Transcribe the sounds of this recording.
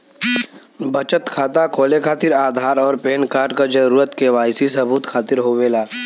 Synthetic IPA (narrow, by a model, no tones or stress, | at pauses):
bət͡ʃət̪kʰaːt̪akoːlekʰaːt̪ɪɾaːd̪ʱaːɾɔːɾpeːnkaːɾɖkad͡ʒɐɾuːɾət̪keʋaːjsisɐbuːt̪kʰaːt̪ɪɾɦoʋeːlaː